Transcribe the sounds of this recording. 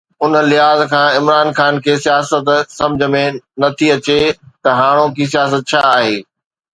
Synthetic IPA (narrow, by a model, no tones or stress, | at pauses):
ʊnlɪɦaːzkʰãːɪmɾaːnxaːnkʰeːsijaːsət̪sɐ̃md͡ʑʱə̆mẽnɐt̪ʰiɐt͡ɕet̪ɐɦaːɽ̃okʰis̬ijaːs̬ət̪̚t͡ɕʰaːɦeː